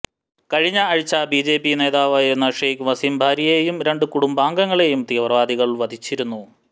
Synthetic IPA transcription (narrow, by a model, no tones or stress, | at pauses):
kɐɻiɲːɐːɻit͡ɕːɐbiːd͡ʑe̞ːpːine̞ːðaːʋaːjiɾunːɐʂejkʋɐsimbʱaːɾijejumɾe̞ɳɖɨkuɽumbaːŋɡɐŋːɐɭe̞jumt̪ijɐʋɐrʋaːd̪iɣɐɭʋɐd̪ʱit͡ɕːiɾunːu